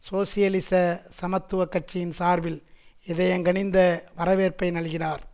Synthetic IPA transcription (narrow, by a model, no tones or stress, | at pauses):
soːsɪjɐlɪsɐsɐmɐt̪ːɯʋɐkːɐʈ̚t͡ʃɪjɪnsaːɾʋɪlɪðɐjɐŋɡɐɳɪnd̪ɐʋɐɾɐʋeːɾpɐɪnɐɭɯɣɪnaːɾ